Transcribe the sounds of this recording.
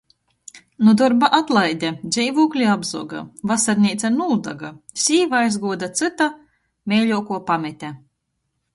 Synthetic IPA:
nud̪ɔɾbaʔat̪lˠajd̪ʲad̪zʲɛjvuːklʲiabzɔ̰ɔɡa̰vasaɾnʲiːt̪sanuld̪a̰ɡasʲiːvaajzɡuɔd̪at̪sɨt̪a | mʲɛːlʲuɔkuɔpamʲɛt̪ʲɛ

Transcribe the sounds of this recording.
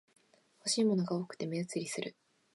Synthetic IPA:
ho̞ɕiːmo̞no̞ɡao̞ːkɯ̟̥t̪e̞meɯt͡sɨɾʲisɨɾɯ̟

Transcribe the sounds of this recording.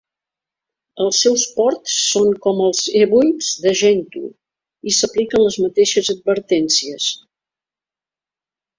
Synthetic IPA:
əlˠsːɛwspɔɾt̪sːoŋkɔməlˠzeβujz̥ðəʒɛnt̪ṵ | isəplikənləzmət̪eʃəzəd̪̚bəɾt̪ɛnsiəs

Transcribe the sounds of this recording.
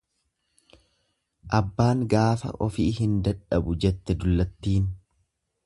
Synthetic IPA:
ʔɐbːaːŋɡaːfɐ̰ʔɔfiːhɪnd̪ɐᶑɐbʊd͡ʒɛt̪ːɛd̪ʊlːɐt̪ːiːn

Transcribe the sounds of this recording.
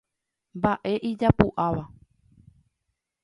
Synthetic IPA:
mbaʔe̞ʔid͡ʒapuʔaʋa

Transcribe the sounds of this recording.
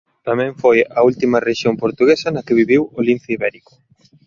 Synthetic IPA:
t̪ɐmɛ̃ɱfojɐult̪imɐreʃjompoɾt̪uɣesɐnɐkɪβiβiwolinθiβɛɾikʊ̥

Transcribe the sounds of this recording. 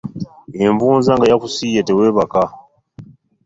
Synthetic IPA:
eɱvuːnzaŋɡajakusijeteweːβaka

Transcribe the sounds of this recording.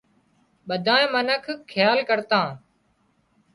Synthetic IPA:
ɓəd̪ʱãːmənəkʰkʰːɪjaːlkəɾt̪ãː

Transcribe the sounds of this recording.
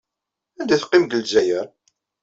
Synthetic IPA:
ænd̪æθqːimɡəld͡ʒæjəɾ

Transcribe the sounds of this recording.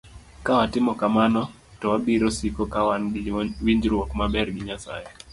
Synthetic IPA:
kawatɪmɔkamanɔ | tɔwabiɾɔsikɔkawanwiɲd͡ʒɾwɔkmabɛɾɡɪɲasa̰jɛ

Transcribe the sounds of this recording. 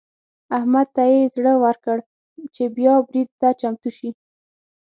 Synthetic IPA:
ahmad̪̚t̪ajezɽəwaɾkəɽ | t͡ʃebjɑbɾid̪̚ːat͡ʃamt̪uʃi

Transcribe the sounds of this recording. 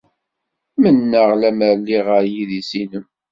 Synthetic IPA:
mənːəʁlæməɾlːiʁəɾjiðisinəm

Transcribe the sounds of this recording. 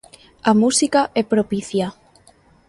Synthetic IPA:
amusikaʔepɾopiθja

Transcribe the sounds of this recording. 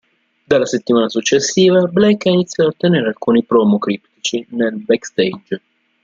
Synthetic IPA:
d̪alːaset̪ːimaːnasut͡ʃːesːiːvablekainit̪sjɔaot̪ːeneːɾealkuːnipɾɔmokɾipt̪it͡ʃinelbɛkst̪ejd͡ʒ

